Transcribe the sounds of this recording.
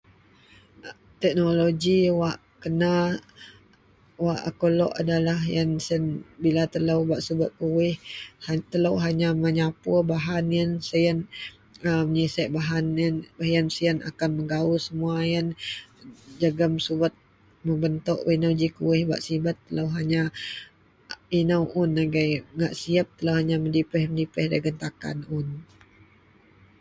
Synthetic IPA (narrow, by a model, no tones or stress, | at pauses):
t̪ɛk̚noloɡiwaʔ | kəna | waʔa̰kolɔ̰ʔa̰dalaɦjansənbilat̪ələwbaʔsubət̪̚kuwɪhhat̪ələwɦaɲaməɲapʊbaɦanijənsəjən | əməɲisaʔbaɦanənbaɦjənsiəna̰kanməŋɡausəmuajən | d͡ʒaɡəmsubət̪̚ | məbənt̪ɔʔwinawd͡ʒikuwɪhba̰ʔsibət̪ːələwɦaɲa | inəwʔʊnːaɡajŋaʔsiap̚t̪əlawhaɲaməndipəhməndipəhdaɡənt̪aka̰nʊn